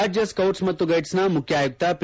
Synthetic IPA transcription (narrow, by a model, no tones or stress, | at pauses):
ad͡ʑjɐskɐwʈsmɐt̪ːuɡɐjʈsnamukʰjaːjuk̚t̪ap